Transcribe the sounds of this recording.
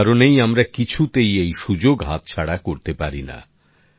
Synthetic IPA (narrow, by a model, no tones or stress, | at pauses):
ɾonejamɾakit͡ɕʰut̪ejejʃud͡ʑoɡɦat̪̚t͡ɕʰaɽakoɾt̪epaɾina̰